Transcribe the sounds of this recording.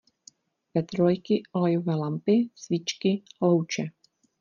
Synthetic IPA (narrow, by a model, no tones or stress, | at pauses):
pɛt̪ɾojkɪʔolɛjovɛːlampɪsvɪt͡ʃkɪlowt͡ʃɛ